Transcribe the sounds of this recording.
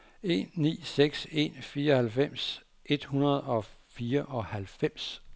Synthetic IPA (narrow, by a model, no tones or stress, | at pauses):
e̝̰ːnːḭːseɡ̥se̝̰nfiːɐɒ̽hælfem̰s | ʔe̝d̥hunɐð̞ˠɒ̽fiːɐʔɒ̽hælfem̰s